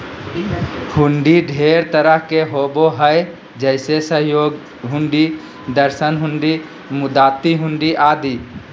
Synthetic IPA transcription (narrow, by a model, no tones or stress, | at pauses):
hʊɳɖiɖʱeɾt̪əɾəɦkeɦoːboɦəj | d͡ʒəɪsesəɦjoːɡ | ɦʊɳɖi | d̪əɾsənɦʊɳɖi | mʊd̪aːt̪ːiɦʊ̃ɳɖiʔaːd̪i